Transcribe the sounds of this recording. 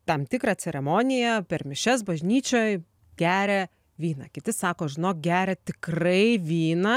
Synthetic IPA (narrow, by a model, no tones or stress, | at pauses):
t̪ɐmt̪ʲɪkɾɑt͡sʲɛɾʲɛmoːnʲɪjɛpʲɛrmʲɪʃʲɛs̬bɐʒʲnʲiːt͡ʃʲoːj | ɡ̥ʲæːɾʲɛ | ʋʲiːnɐkʲɪt̪ʲɪsɑːkoːʒʲɪnoːk̚ɡʲæːɾʲɛt̪ʲɪkrɐɪʋʲiːnɐ